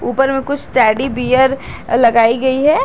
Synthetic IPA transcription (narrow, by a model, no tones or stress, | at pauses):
uːpəɾmẽkʊt͡ʃʰsʈɛːɖibiːjəɾ | lɐɡaːiɡɐiɦɛː